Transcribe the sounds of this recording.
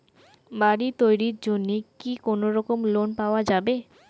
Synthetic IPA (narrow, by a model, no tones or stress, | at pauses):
baɽit̪ojɾiɾd͡ʑonːikikonoɾɔkomlonpaoad͡ʑabe